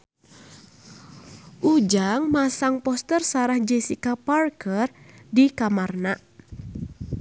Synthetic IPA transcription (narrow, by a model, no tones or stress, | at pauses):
ʔud͡ʒaŋmasaŋpɔst̪ərsaɾahd͡ʒɛsikaparkərdikamarna